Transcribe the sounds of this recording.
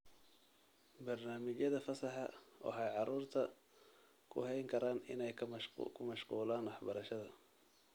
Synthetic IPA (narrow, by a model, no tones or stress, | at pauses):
bɐrnaːmɪt͡ʃjɐðɐfɐsɑħɑ̰wɑ̰ħɑjʕɑɾuːrt̪ʰɐ | kʰʊ̰hɛjŋkʰɐɾaːnɪ̰nɛjkʰʊmɐʃquːlaːnwɑħbɐɾɐʃɐðɐ